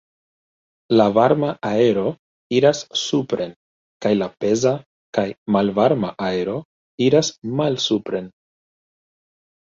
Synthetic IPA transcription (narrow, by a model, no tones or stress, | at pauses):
lavaɾmaae̞ɾo̞ | iɾasːupɾe̞n | kajlape̞za | kajmalvaɾmaʔaeɾo̞ | iɾasmalsupɾe̞n